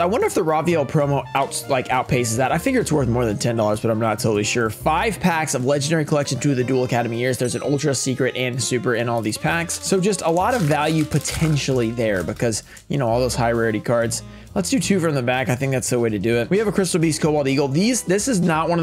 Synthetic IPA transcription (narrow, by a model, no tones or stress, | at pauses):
aɪwʌ̃ndə˞ɨfðəɹɑviolˠpʰɹ̥oʊ̃moʊaʊtlaɪkaʊt̚pʰeɪs̬ɨzðəɾaɪfɪɡjə˞ɨtswɜ˞θmɔɹðɨ̃ntʰɛ̃ndɔlˠə˞zbʌɾãɪ̃nətʰoʊɾl̩ˠiʃʊɹfaɪv̥pʰæksʌvlɛd͡ʒɨ̃n̩dɛɹikʰəlɛkʃɨ̃n̩θɹʉðɨdulˠəkʰæɾɨmijɪɹzðə˞zɨ̃nʔo̰ʊlˠtɹ̥ɨsikɹɨɾʔɨ̃nsʉpə˞ɨ̃nɔlˠðiz̥pʰækssoʊd͡ʒʌstəlɔɾʌvælˠjʉpʰɨtʰɛ̃nʃl̩ˠiðə˞bɨkʰʌz | jɨñoʊɔlˠðoʊz̥haɪəɹɛɹɨɾikʰɑɹdz̥ | lətsd̥ɨtʰʉfɹʌ̃mðɨbækaɪθɪ̃ŋk̚ðætsðəweɪɾɨdɨɪt̚wiɨvəkʰɹ̥ɪstl̩ˠbiskʰoʊbɔlˠdiɡl̩ˠðizðɪsɨznət̚wʌ̃nʌ